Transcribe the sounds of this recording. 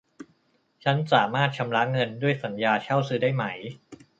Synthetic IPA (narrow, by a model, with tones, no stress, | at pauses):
t͡ɕʰa˦˥nsaː˩˦maː˥˩t̪̚t͡ɕʰa˧mɾa˦˥ŋɤ˧ndu˥˩əjsa˩˦njaː˧t͡ɕʰa˥˩wsɯː˨˦˥daː˥˩jma˦˥j